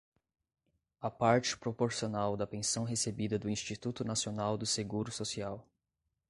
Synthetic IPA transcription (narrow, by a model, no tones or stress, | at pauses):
ɐpaɾt͡ʃɪ̥pɾopoɾsionawd̪ɐpẽsɐ̃w̃ɦesebid̪ɐd̪ʊĩsʃt͡ʃit̪ut̪ʊnasionawd̪ʊseɡuɾʊsosiaw